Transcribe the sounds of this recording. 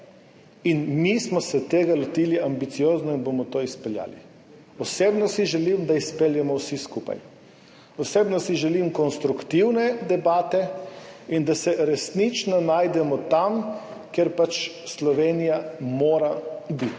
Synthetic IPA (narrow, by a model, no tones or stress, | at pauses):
inmismɔsɛt̪eːɡalɔt̪iːliambit̪sijoːznɔinbomɔt̪oːispɛlja̰ːlḭ | ɔseːbnɔsiʒɛlimd̪aispeljɛmɔwsiskuːpa̰j | ɔseːbnɔsiʒɛlimkɔnst̪ɾukt̪iwnɛd̪ɛbaːt̪ɛind̪asɛɾɛsnit͡ʃnɔnaːjd̪ɛmɔt̪amkeɾpat͡ʃ | slɔʋeːnijamoːɾabit̪